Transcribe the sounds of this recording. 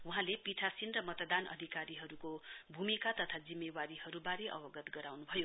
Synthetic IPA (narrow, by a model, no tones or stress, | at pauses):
wuɦãlepiʈʰasinrʌmʌt̪d̪anʔʌ̰d̪ʱikaɾiɦʌɾukobʱumikat̪ʌt̪ʰad͡zimːewaɾiɦʌɾubaɾeʔʌ̰bʌɡʌt̪ɡʌɾawnubʱʌjo